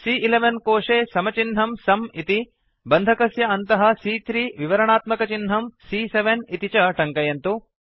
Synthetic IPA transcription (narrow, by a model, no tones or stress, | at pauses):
siːʔileʋɐnkoːʂeːsɐmɐt͡ʃinɦɐmsɐmit̪i | bɐnd̪ʱɐkɐsjɐɐnt̪ɐɦɐ̆sit̪ɾiːʋiʋɐɾɐɳaːt̪mɐkɐt͡ʃinɦɐmsiːseʋɐnit̪it͡ʃɐʈɐŋkɐjɐnt̪u